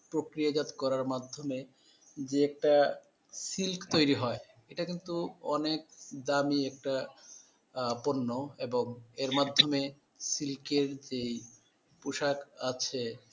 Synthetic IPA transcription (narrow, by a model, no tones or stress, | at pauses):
pɾokɾiad͡ʑat̪kɔɾaɾmad̪ʱːome | d͡ʑeɛk̚ʈa | silkt̪ojɾiɦɔe | eʈakint̪uɔnek̚d̪amiɛk̚ʈa | ponːoeboŋeɾmad̪ʱːome | silkeɾd͡ʑej | puʃakat͡ɕʰe